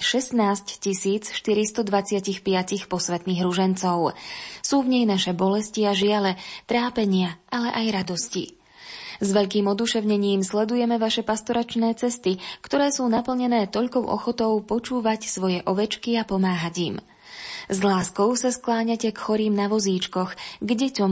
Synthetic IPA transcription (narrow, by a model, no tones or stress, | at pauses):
ʃɛst̪naːsccisiːt͡sʃt̪iɾist̪ɔd̪ʋat͡sɪacixpɪacixpɔsʋɛt̪niːɣɾuʒɛnt͡sɔʊsuːvɲɛjnaʃɛbɔlɛsciaʒɪalɛt̪ɾaːpɛɲɪaʔalɛ̰ʔajɾad̪ɔscḭ | zʋɛʎkiːmɔd̪uʃɛʊɲɛɲiːmslɛd̪ujɛmɛʋaʃɛpast̪ɔɾat͡ʃnɛːt͡sɛst̪ikt̪ɔɾɛːsuːnapl̩ɲɛnɛːt̪ɔʎkɔʊʔɔ̰xɔt̪ɔʊpɔt͡ʃuːʋacsʋɔjɛʔɔʋɛt͡ʃkiapɔmaːɦaɟiːm | zlaːskɔʊsasklaːɲacɛkxɔɾiːmnaʋɔziːt͡ʃkɔxɡɟɛt̪ɔm